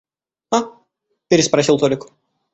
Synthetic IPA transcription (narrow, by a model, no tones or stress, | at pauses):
a | pʲeɾʲɪspɾɐsʲilˠt̪olʲɪk